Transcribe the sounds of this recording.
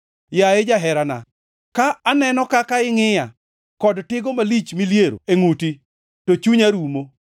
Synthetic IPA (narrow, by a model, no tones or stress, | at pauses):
jaed͡ʒaɦɛɾana̰ | kaːnɛnɔkakaɪŋɪja | kɔdtɪɡɔmalit͡ʃmiljeɾo̰eŋuti | tot͡ʃuɲaɾumo